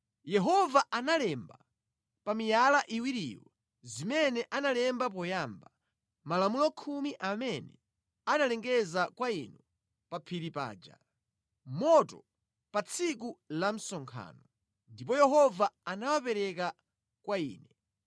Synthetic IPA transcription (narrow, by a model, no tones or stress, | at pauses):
jɛɦɔvaʔanalɛmba | pamijalaʔiwiɾḭwa | zimɛnɛʔanalɛmbap̬ɔjamba | malamulɔkʰumiʔamɛnɛ̰ | analɛŋɡɛzakwainɔ | papʰiɾipa̰ːd͡ʒa̰ | mɔtɔ | pat͡sʰik̬ulam̩sɔŋkʰa̰ːnɔ | ndip̬ɔjɛɦɔvaːnawapɛɾɛka | kwaḭːnɛ